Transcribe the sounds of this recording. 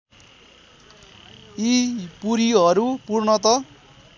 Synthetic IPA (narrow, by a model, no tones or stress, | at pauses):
ipuɾiʌɾupurnʌt̪ʌ